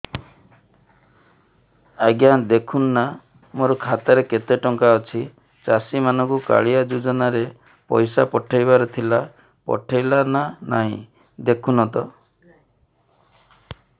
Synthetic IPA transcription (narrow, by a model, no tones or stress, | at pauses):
aɡjand̪ekʰunːa | moɾɔkʰat̪aɾeket̪eʈɔŋkaɔt͡ʃʰi | t͡ʃasimanɔŋkuka̰ɭijad͡ʒud͡ʒɔnaɾe | pɔ̰jsapɔʈʰajbaɾɔt̪ʰila | pɔ̰ʈʰajlananaɦĩ | d̪ekʰunɔt̪ɔ